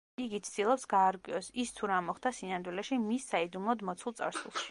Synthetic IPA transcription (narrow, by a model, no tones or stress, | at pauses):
iɡit̪sʰd̪ilˠɔpsɡaːɾkʼwiɔsist̪ʰuɾamɔχd̪asinand̪wilɛʃimisːaid̪umlˠɔd̪mɔt̪sʰulˠt̪sʼa̰ɾsṵlˠʃi̥